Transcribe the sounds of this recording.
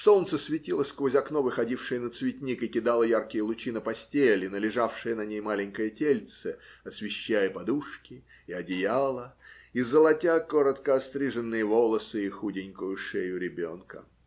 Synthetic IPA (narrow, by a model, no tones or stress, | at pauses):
so̞lˠnt̪səsvʲɪtʲilˠəskvozʲɐkno̞vɨxɐdʲifʂɨjənət̪svʲɪt̪ʲnʲikɨkʲɪd̪alˠəjarkʲɪjəlˠʊt͡ɕinəpɐsʲtʲelʲɪnəlʲɪʐafʂɨjənɐnʲejmalʲɪnʲkəjətʲelʲt̪səɐsvʲɪɕːæjəpɐd̪uʂkʲɪ | ɪɐdʲɪjalˠəizəlˠɐtʲakoɾət̪kəɐst̪ɾʲɨʐɨnːɨjəvo̞lˠəsɨixudʲɪnʲkʊjʊʂejʊɾʲɪbʲo̞nkə̰